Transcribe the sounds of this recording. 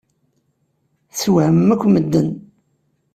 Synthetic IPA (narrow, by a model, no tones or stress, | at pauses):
θwʕəmːækʷːməd̪ːən